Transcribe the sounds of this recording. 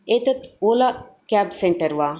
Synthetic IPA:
et̪ɐt̪oːla | kaːbseɳʈɐɾʋaː

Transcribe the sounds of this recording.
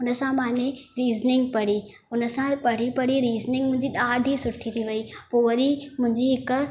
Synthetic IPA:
ʊnəsãmãːneɾiːznɪŋɡ̚pɐɽ̤iː | ʊnəsãpɐɽ̤ipɐɽ̤iɾiːznɪ̃ŋɡmʊ̃ɦɲd͡ʑiɗaːɖʱisʊʈʰːit̪ʰiʋɐiːpoʋɐɾimʊ̃ɦɪ̃ɲd͡ʑiɪk

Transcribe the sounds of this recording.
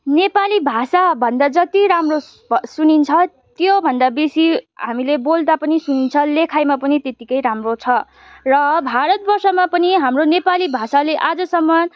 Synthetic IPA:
nepalibʱasabʱʌnd̪ad͡zʌt̪iɾamro | sunint͡sʰʌ | t̪jobʱʌnd̪abisiɦamilebold̪apʌnisunint͡sʰʌlekʰajmapʌnit̪et̪ikʌjɾamrot͡sʰʌ | rʌbʱaɾʌt̪̚bʌrsʌmapʌniɦamronepalibʱasaleʔad͡zʌsʌmːʌ

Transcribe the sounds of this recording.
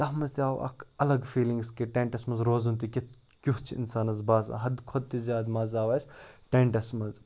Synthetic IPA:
t̪ɐɦmɐzt̪iaːʋɐ̰kʰɐlɐɡfiːlĩŋɡskeʈẽːɳʈɐsmɐzɾoːzunt̪ikʲit̪ | kʲuɦt͡ʃʰɪ̰nsaːnɐzbaːza̰ɦɐd̪kʰod̪̚t̪izʲaːd̪mɐːzaːʋaːjsʈeɳʈɐsmɐz

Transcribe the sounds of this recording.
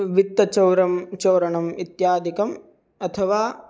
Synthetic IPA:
ʋit̪ːɐt͡ʃɐwɾɐmt͡ʃɐwɾɐɳɐmit̪jaːd̪ikɐm | ɐt̪ʰɐʋaː

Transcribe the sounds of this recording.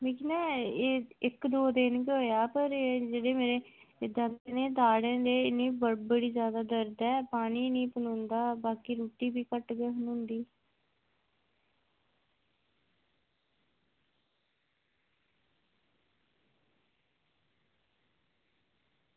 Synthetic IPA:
miːkinɛːeːɪkd̪oːd̪ɪnkeɦoːjaːpəɾed͡ʒeːɽeːmeːɾeːd̪ə̃nt̪ːneːd̪aːɽẽːd̪eːɪnẽːbəbəɽiːzjaːd̪aːd̪əɾd̪ɛːpaːniːnĩːpənõːnd̪aːbaːkiːɾuːʈiːbiːkəʈɡeːɦʊnʊ̃nd̪iː

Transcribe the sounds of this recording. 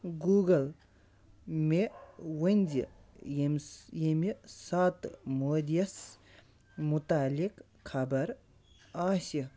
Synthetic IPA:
ɡuːɡɐl | mewɐnʲzijmjɐmisat̪moːd̪ijɐs | mut̪aːlik | kʰɐbɐɾ | aːsi

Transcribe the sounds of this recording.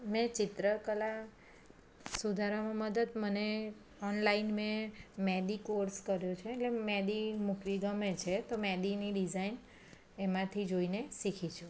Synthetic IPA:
mɛ̃t͡ʃɪt̪ɾəkəla | sud̪ʱaɾamãməd̪əd̪məne | ɔnlainmẽmɛd̪ikoɾskəɾjot͡ʃʰeːʈlemɛd̪imukʋiɡəmet͡ʃʰet̪omɛd̪iniɖid͡ʒain | emãt̪ʰid͡ʒoinesikʰit͡ʃʰũ

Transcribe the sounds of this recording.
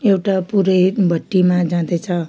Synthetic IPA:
ewʈapuɾʌjbʱʌʈːimad͡zãd̪et͡sʰʌ

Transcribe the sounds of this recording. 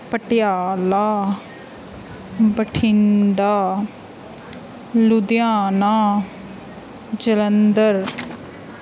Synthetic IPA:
pəʈɪjaːlaː | bəʈʰɪɳɖaː | lʊd̪jaːnaː | d͡ʒələnd̪əɾ

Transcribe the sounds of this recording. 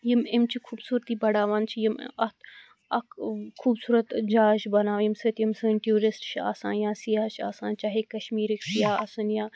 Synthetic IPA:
jimɪmt͡ʃʰikʰuːbsuːɾt̪iːbɐɽaːʋaːnt͡ʃʰijim̰ɐt̪ | ɐkkʰuːbsuːɾɐt̪d͡ʒaːʒbɐnaːʋjimsɨt̪jimsɨnʈjuːɾisʈt͡ʃʰia̰ːsã̰ːnjãːsijaːt͡ʃʰa̰ːsaːnt͡ʃaːɦekɐʃmiːɾiksijaːɐsɐnjaː

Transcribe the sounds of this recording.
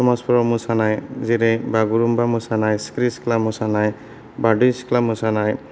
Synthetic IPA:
tɔmaspʰɔɾɔmusanajziɾejbaɡuɾumbamusanajskɾisi̥klamusanaj | badujsi̥klamusanaj

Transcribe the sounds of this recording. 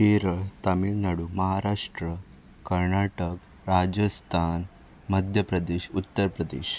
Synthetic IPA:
iɾəɭt̪amilnaɽumɐɦaɾaʂʈɾə | kəɾɳaʈək | ɾad͡ʑəst̪ʰan | məd̪ʱjəpɾəd̪eɕut̪ːəɾpɾəd̪ḛɕ

